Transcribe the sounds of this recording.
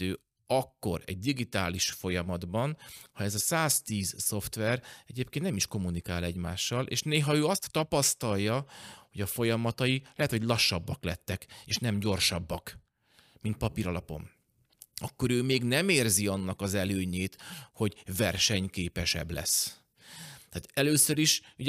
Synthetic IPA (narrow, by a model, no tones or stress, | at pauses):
øː | ɒkːo̞ɾɛ̰ɟ̚d̪iɡit̪aːliʃfo̞jɒmɒd̪bɒnhɒɛzɒsaːst̪iːzso̞ft̪ʋɛrɛɟeːp̚kennɛmiʃko̞munikaːlɛɟma̰ːʃːɒlʔḛːʃneːɦɒøːɒst̪ːɒpɒst̪ɒlːɒho̞ɟɒfo̞jɒmɒt̪ɒjilɛɦɛt̪ho̞ɟlɒʃːɒbːɒklɛt̪ːɛkeːʃnɛmɟo̞rʃɒbːɒk | mint̪̚pɒpiɾɒlɒpo̞̰m | ɒkːo̞ɾøːmeːɡnɛmeːrziɒnːɒkɒzɛløːɲeːt̪ho̞ɟvɛrʃɛɲkeːpɛʃɛ̰blɛ̰s | t̪aːt̪ɛløːsøɾiʃu